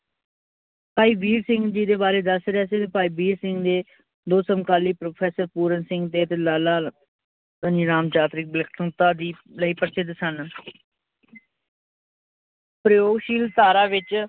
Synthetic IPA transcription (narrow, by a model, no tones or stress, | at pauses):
paːiːbiːlsɪŋɡd͡ʒiːd̪eːbaːɾeːd̪əsɾeɛːsit̪epaːiːbiːlsɪ̃ŋɡd̪eː | d̪oːsəmkaːliːpɾoːpʰɛːsəɾpuːɾənsɪ̃ŋɡt̪eːət̪eːlaːlaː | əniːɾaːmt͡ʃaːt̪ɾɪk̚blɪkʰt̪əŋt̪aːd̪iː | ləiːpəɾsɪt̪sən | pɾəjoːɡʃiːlt̪aːɾaːʋɪt͡ʃ